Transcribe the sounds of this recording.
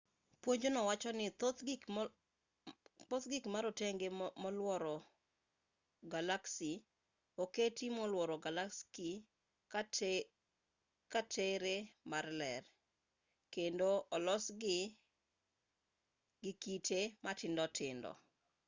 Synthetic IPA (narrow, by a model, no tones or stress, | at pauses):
pwoɲd͡ʒonɔwat͡ʃɔnɪt | pot̪ɡɪkmaɾoteŋɡemɔlwɔɾɔ | ɡalaksi | oketimɔlwɔɾɔɡalakski | k | katʰeɾemarlɛr | kendoʔɔlɔsɡɪ | ɡɪkitʰematɪndɔtʰɪndɔ̰